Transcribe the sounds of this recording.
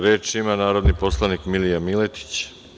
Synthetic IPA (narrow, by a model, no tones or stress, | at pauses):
ɾeːt͡ʃimanaːɾo̞d̪nipo̞slˠanikmilijamilet̪i̥t͡ɕ